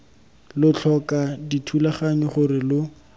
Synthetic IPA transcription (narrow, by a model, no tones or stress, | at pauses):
lʊt͡ɬʰɔkaditʰulaχaɲɔχʊrɪlʊ